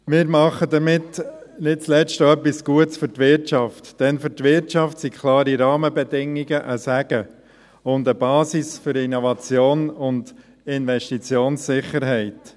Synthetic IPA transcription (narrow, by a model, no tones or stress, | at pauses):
mɪːɾmɑχəd̪əɾmɪtnɪt̚t͡slɛt͡ʃtəœpːisɡ̥uətsfʏɾtʋɪɾtʃɑftd̥ɛnfʏɾtʋɪɾtt͡ʃɑftsikʰlɑːɾiɾɑːməbɛdɪŋːiɡəʔəsæɡ̥ə | ʊndəbɑːsisfʏɾinɔvɑt͡sjoːnʊnd | ɪnʋɛʃtit͡sjoːnsɪχəɾɦɛɪt